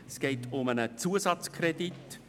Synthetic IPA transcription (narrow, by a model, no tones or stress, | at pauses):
skeɪtʰʊmənət͡suəsɑt͡skʰrɛdit